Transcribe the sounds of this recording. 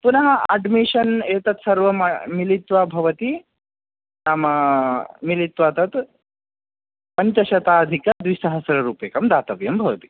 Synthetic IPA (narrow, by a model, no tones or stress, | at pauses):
punɐɦɐɐ̰ɖmiʂɐneːt̪ɐt̪sɐɾʋɐmɐmilit̪ʋabʱɐʋɐt̪i | naːmɐ | milit̪ʋaːt̪ɐt̪ | pɐɲt͡ʃɐʃɐt̪aːɐd̪ʱikɐd̪ʋiʃɐɦɐsɐɾɐɾuːpeːkɐmd̪aːt̪ɐʋjɐmbʱɐʋɐt̪i̥